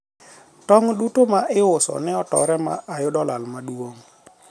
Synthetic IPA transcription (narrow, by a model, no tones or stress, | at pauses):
tɔŋɗutomaʔɪʊsɔ̰nɛɔtɔ̰ɾɛma̰ʔajʊdɔlalmaɗwoŋ